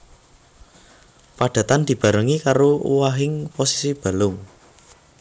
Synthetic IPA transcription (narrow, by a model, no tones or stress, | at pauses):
paɖ̥a̤t̪and̪̥i̤b̥a̤ɾəŋikaɾoṵwaɦɪŋposi̥sib̥a̤lʊŋ